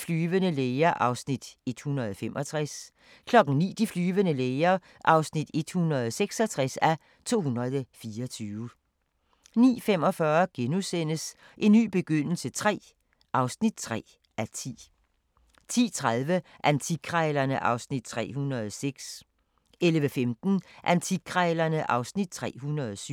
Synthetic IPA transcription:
flyːʋənəleːɐʔɑ̈ʊsnid̥e̝d̥hunʁɐð̞̩ˠɒfemʔɒ̽t͡sʰʁɛs | kʰlɒ̽ɡ̥ŋ̩nḭːd̥iflyːʋənəleɪɐ | ʔɑ̈ʊsnid̥e̝d̥hunɐðˠɒseɡ̥sɐt͡sʰʁɛsæ | t͡sʰo̝̰ːhunʁɐðˠɒfiːɐɒt͡sʰyːʊə | nḭːfem̰ɒ̽fɶɐɡ̥enusen̰əs | ʔe̝nːy̰ːb̥e̝ɡ̥øn̰l̩sət͡sʰʁɛ̰ː | ʔɑ̈ʊsnid̥̚t͡sʰʁɛ̰ː | æt͡sʰḭː | t͡sʰḭːt͡sʰʁaðˠʋəʔænt͡sʰikʰʁɛɪlɐnəʔɑ̈ʊsnid̥̚t͡sʰʁɛ̰ːɦunɐðˠseɡ̥s | elʋəfemd̥n̩ʔænt͡sʰikʰʁɛlɐnəʔɑ̈ʊsnid̥̚t͡sʰʁɛ̰ːhunɐðˠsy

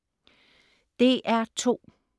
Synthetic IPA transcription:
d̥e̝ʔæɐt͡sʰo̝̰ː

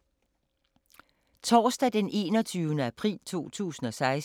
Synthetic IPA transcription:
t͡sʰɒːsd̥æd̥enʔe̝̰ːnɒt͡sʰyːʊnəæpʰʁḭːlt͡sʰo̝̰ːt͡sʰṵːsn̩ɒ̽sɑ̈ɪs

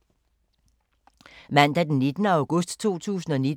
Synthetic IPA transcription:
mæn̰d̥æd̥enːid̥nəɑ̈ʊɡ̥ɔ̽sd̥t͡sʰo̝̰ːt͡sʰṵːsn̩ɒ̽ni

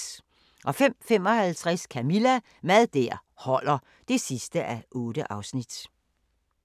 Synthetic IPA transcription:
ʔɒ̽fem̰fem̰ɒ̽hælt͡sʰʁaskʰæmilæ | mæðˠd̥æɐ̰hɒ̽l̰ɐ | d̥e̝sisd̥əʔæʔɔ̽ːd̥əʔɑ̈ʊsnid̥

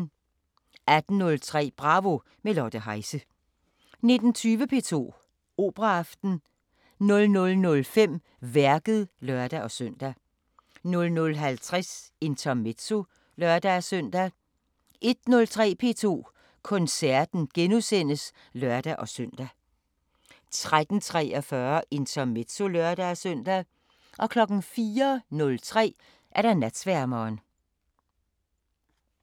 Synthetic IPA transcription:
æd̥n̩nɔ̽lt͡sʰʁɛ̰ːb̥ʁɑ̈ʋo̝ | melɒd̥əɦɑ̈ɪsə | ne̝d̥n̩t͡sʰyːʋəpʰe̝̰ːt͡sʰo̝̰ː | o̝ːb̥ʁɑɑfd̥n̩ | nɔ̽lnɔ̽lnɔ̽lfem̰ | ʋæɐɡ̥ð̞̩ˠlœɐd̥æʔɒ̽søn̰d̥æ | nɔ̽lnɔ̽lɦælt͡sʰʁase̝nt͡sʰæmed̥so̝ | lɶɐd̥æsœn̰d̥æ | ʔe̝d̥nɔ̽lt͡sʰʁɛ̰ːpʰe̝ːt͡sʰo̝̰ː | kʰɔ̽nsæɐ̰d̥n̩ɡ̥enusen̰əs | lɶɐ̰d̥æʔɒ̽sœn̰d̥æ | t͡sʰʁad̥n̩t͡sʰʁɛ̰ːɒfɶːɐʔe̝nt͡sʰɐme̝d̥so̝lœɐd̥æsœn̰d̥æ | ʔɒ̽kʰlɒ̽ɡ̥n̩fiːɐnɔ̽lt͡sʰʁɛ̰ː | ʔæɐɾ̥ænæd̥sʋæɐ̰mɒːn

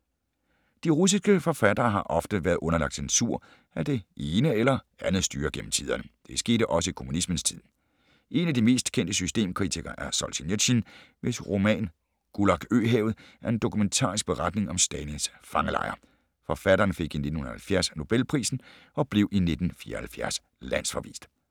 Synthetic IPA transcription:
d̥iʁus̬isɡ̥əfɒ̽fæd̥ɐːɦɑ̈ʔɒ̽fd̥əʋæːɐðˠʔɔ̽nɐlɑ̈ɡ̥̚d̥sensʰuɐ̰ | æd̥e̝ʔe̝ːnəelɐ | ænð̩ˠsd̥y̰ːɐɡ̥em̰m̩t͡sʰiðˠɐnəd̥e̝sɡ̥e̝̰ːɾ̥əʔɒ̽səikʰo̝munismənst͡sʰið̞̰ˠ | ʔe̝næd̥ime̝̰ːsd̥kʰen̰d̥əsysd̥e̝̰ːmkʰʁit͡sʰiɡ̥ɐʔæɐsɒlɕineɕinʋe̝sʁo̝mɛ̰ːn | ɡ̥ulɑ̈ɡ̥ø̰ːɦeːʊð̩ˠʔæɐe̝nd̥o̝kʰument͡sʰɑ̰̈ːʁisɡ̥̚b̥e̝ʁɑd̥ne̝ŋɒ̽msd̥ɛninsfɑ̈ŋəlɑ̰̈ɪɐ | fɒ̽fæɾ̥ɐːnfe̝ɡ̥ine̝d̥nhun̩ˠɐhælfjæɐsno̝b̥elpʰʁḭːsn̩ | ɒ̽b̥le̝ʊʔine̝d̥n̩fḭːɐ̰hælfjæɐ̰s | læn̰sfɒ̽ʋḭːsd̥

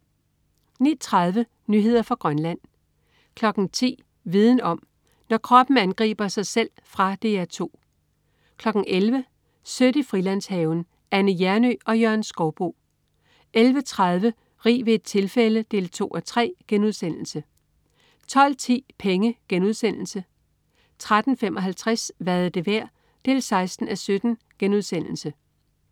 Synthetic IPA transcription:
nit͡sʰʁɑð̞ˠʋə | nyɦe̝ð̞̰ˠɐfʁɑ̈ɡ̥ʁɶnlæn̰ | kʰlɒ̽ɡ̥n̩t͡sʰḭː | ʋið̞ˠn̩ɒ̽m | nɒkʰʁɒ̽b̥n̩ænɡ̥ʁḭːb̥ɐsɑ̈ɪsel̰ | fʁɑ̈d̥e̝ːæɐt͡sʰo̝̰ː | kʰlɒ̽ɡ̥n̩ʔelʋə | søɾ̥əifʁilæn̰shɛːʊn̩ | ænəjæɐnø̰ɒ̽jøɐ̰nsɡ̥ɒʊb̥o̝̰ː | ʔelʋət͡sʰʁað̞ˠʋə | ʁḭːʋe̝ːd̥̚t͡sʰe̝lfeləd̥e̝̰ːlt͡sʰo̝̰ːʔɒt͡sʰʁɛ̰ːɡ̥enuð̞ˠsen̰l̩sə | t͡sʰɒ̽l̰t͡sʰḭːpʰeŋəɡ̥enuð̞ˠsen̰l̩sə | t͡sʰʁad̥n̩femʔɒ̽ɦælt͡sʰʁæsʋæɐð̩ˠəd̥e̝ʋæɐ̰ | d̥e̝̰ːlsɑ̈ɪsd̥n̩æsød̥n̩ | ɡ̥enuðˠsen̰l̩sə

